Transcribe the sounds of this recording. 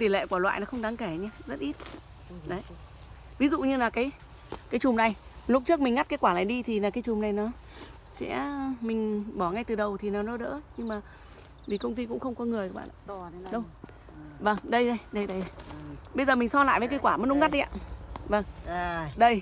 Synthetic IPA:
t̪i˨˩lḛ˧˨kwaː˧˩lwa̰ː˧˨jnɔ˨˦xə˧wŋ͡mɗaː˨˦ŋkɛ˧˩ɲɛ˧zə˦˥t̚ʔi˦˥t̚ | ɗə˨˦j | vi˨˦zṵ˧˨ɲɨ˧laː˨˩kaː˨˦j | kaː˨˦jt͡ɕʊ˨˩mna˨˩j | lʊ˦˥p̚t͡ɕɨ˦˥ək̚mi˨˩ŋ̟ŋa˦˥t̚kaː˨˦kwaː˧˩la̰ː˧˨jɗi˧t̪ʰi˨˩laː˨˩kaː˨˦t͡ɕʊ˨˩mna˨˩jnɔ˨˦ | sɛ̰˧˥mï˨˩ŋ̟ɓɔ˧˩ŋa˧jt̪ɨ˨˩ɗə˨˩wt̪ʰi˨˩naː˨˩wnɔ˨˦ɗə̰ː˧˥ɲɨ˧ŋmaː˨˩ | vi˨˩kə˧wŋ͡mt̪i˧kʊ̰˧˥ŋ͡mxə˧wŋ͡mkɔ˨˦ŋɨ˨˩əjkaː˨˦˥ɓa̰ː˧˨ʔa̰˧˩˨ɗə˧w | və˧˩ŋɗə˧jɗə˧jɗə˧jɗə˧jə˧ɓə˧jzəː˨˩mï˨˩ŋ̟sɔ˧la̰ː˧˨jvə˨˦k̬ə˧˦kwaː˧˩mə˨˦nʔʊ˧˥ŋa˦˥t̚ɗi˧ʔa̰ː˧˨və˧˩ŋɗə˧j

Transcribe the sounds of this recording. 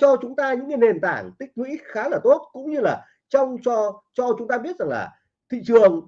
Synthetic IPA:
t͡ɕɔ˧t͡ɕʊ˨˦ŋ͡mt̪aː˧ɲɨ̰˧˥ŋɨ˧˩jne˨˩nt̪a̰ː˧˩ŋt̪ï˦˥k̟̚ŋwḭ˧˥xaː˨˦laː˨˩t̪o˦˥t̚kʊ̰˧˥ŋ͡mɲɨ˧laː˨˩ | t͡ɕɔ˧wŋ͡mt͡ɕɔ˧t͡ɕɔ˧t͡ɕʊ˨˦ŋ͡mt̪aː˧ɓi˦˥ət̚za˨˩ŋlaː˨˩ | t̪ʰḭ˧˨t͡ɕɨ˨˩əŋ

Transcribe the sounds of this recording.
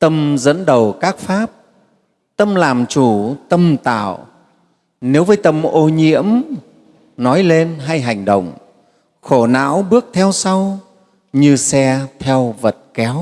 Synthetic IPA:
t̪ə˧mzə̰˧˥nɗə˨˩wkaː˦˥k̚faː˦˥p̚ | t̪ə˧mlaː˨˩mt͡ɕu˧˩t̪ə˧mt̪a̰ː˧˨w | ne˨˦wvəː˨˦jt̪ə˧mʔo˧ɲḭ˧˥əm | nɔ˨˦jle˧nɦa˧jɦa˨˩jŋ̟ɗə̰˧˨wŋ͡m | xo˧˩na̰ː˧˥wɓɨ˦˥ək̚t̪ʰɛ˧wsa˧w | ɲɨ˧sɛ˧t̪ʰɛ˧wvə˨˩t̚kɛ˨˦w

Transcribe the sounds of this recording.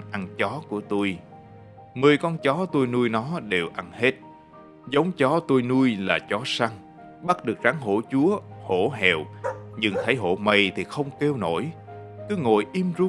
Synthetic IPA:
ʔa˧˩nt͡ɕɔ˨˦ku˧˩ət̪o˧j | mɨː˨˩əjkɔ˧nt͡ɕɔ˨˦t̪o˧jnu˧əjnɔ˨˦ɗe˨˩wʔa˧˩nhe˦˥t̚ | zə˨˦wŋ͡mt͡ɕɔ˨˦t̪o˧jnu˧əjlaː˨˩t͡ɕɔ˨˦sa˧ŋ | ɓa˦˥t̚ɗɨ˨˩ək̚zaː˨˦ŋɦo̰˧˩˥t͡ɕu˨˦əho̰˧˩˥ɦɛ̰˨wɲɨ˧ŋt̪ʰə˨˦jɦo̰˧˩mə˨˩jt̪ʰi˨˩xə˧wŋ͡mke˧wno̰˧˩˨jkɨ˨˦ŋo̰˧˨jʔi˧mzu˧

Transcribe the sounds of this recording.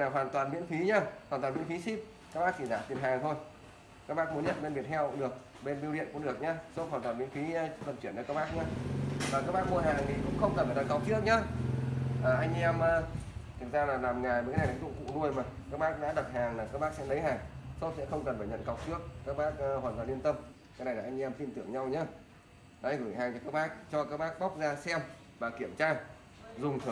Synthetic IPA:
laː˨˩ɦwaː˨˩nt̪waː˨˩nmḭ˧˥nfi˨˦ɲaː˧hwaː˨˩nt̪waː˨˩mḭ˧˥ə˦nfi˨˦si˦˥p̚ | kaː˦˥k̚ɓaː˦˥k̚t͡ɕi˧˩ɗa̰ː˧˩t̪i˨˩ənhaː˨˩ŋt̪ʰo˧j | kaː˦˥k̚ɓaː˦˥k̚mu˨˦nɲə̰˧˨nɓe˧nvi˨˩ət̚hɛ˧wkʊ̰˧˥ŋ͡mɗɨ˨˩ək̚ | ɓe˧nɓi˧wɗḭ˧˨ənkʊ̰˧˥ɗɨ˨˩ək̚ɲaː˨˧so˦˥hwaː˨˩nt̪waː˨˩nmḭ˧˥ə˦fi˨˦˧fə˨˩nt͡ɕi˧˩ənt͡ɕɔ˧kaː˦˥k̚ɓaː˦˥k̚ɲa˧vaː˨˩kaː˦˥k̚ɓaː˦˥k̚mu˧əɦaː˨˩ŋt̪ʰi˨˩kʊ̰˧˥ŋ͡mxə˧wŋ͡mkə˨˩nfaː˧˩ə̰˧˨˩ka˨˧˩k͡p̚t͡ɕɨ˦˥ək̚ɲaː˧ | ʔəː˨˩ʔa˧jŋ̟ʔɛ˧mʔəː˧t̪ʰɨ˨˩zaː˧laː˨˩laː˨˩mŋaː˨˩jma˨a˦na˨˩˨zʊ̰˧˥ŋ͡mkṵ˧˥nu˧əjmaː˨˩ka˦˥k̚ɓaː˦˥k̚ɗa̰ː˧˥ɗə˨˩t̚haː˨˩ŋlaː˨˩kaː˦˥k̚ɓaː˦˥k̚sɛ̰˧˥ɗə˨˦jhaː˨˩ŋso˦˥t̚sɛ̰˧˥xə˧wŋ͡mkə˨˩nfaː˧˩jɲə̰˧˨nka˨˩w̚t͡ɕɨ˦˥ək̚kaː˦˥k̚ɓaː˦˥k̚ːhwaː˨˩nt̪aː˨˩li˧ənt̪ə˧m | kaː˨˦jna˨˩jla˨˩ʔjŋ̟ʔɛ˧mfi˧nt̪ɨ̰˧˩əŋɲa˧wɲaː˨˦ | ɗɔ˨˦˧ɣɨ˧˩jɦaː˨˩ŋt͡ɕɔ˧kaː˦˥k̚ɓaː˦˥k̚t͡ɕɔ˧kaː˦˥k̚ɓaː˦˥k̚ɓa˦˥k͡p̚zaː˧sɛ˧m | vaː˨˩ki˧˩əmt͡ɕaː˧ | zʊ˨˩ŋ͡mt̪ʰɨ˧˩

